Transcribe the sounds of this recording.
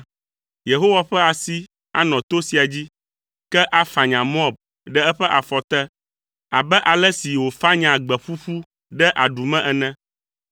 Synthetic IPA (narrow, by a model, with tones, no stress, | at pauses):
je˨ɦo˦wa˨ɸɛ˦a˨si˦ | a̰˦nɔ̃˨t̪o˦si˨a˨d͡ʑi˦ | kɛ˦ʔa˦fa˨ɲã˨mo˦ɔ˨b̚ | ɖɛ˦ɛ˦ɸɛ˦ʔa˨fɔ˨t̪ɛ˦ | a˨bɛ˦ʔa˨lɛ˦si˨wo˨fa˦ɲã˨ɡ͡bɛ˨ɸu˦ɸu˦ | ɖɛ˦ʔa˨ɖu˨mɛ̃˦ʔɛ˨nɛ̃˦